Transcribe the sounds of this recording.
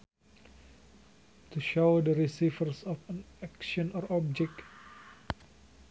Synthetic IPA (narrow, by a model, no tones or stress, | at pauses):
t̪uʃowdəɾisifəɾsɔfanɛkʃɔ̃nɔɾɔb̚d͡ʒɛk̚t